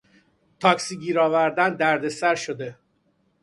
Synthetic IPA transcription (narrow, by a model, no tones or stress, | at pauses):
t̪ʰɒːksiːɟiːɾɒːvæɾd̪ænd̪æɾd̪e̞sæɾʃod̪e̞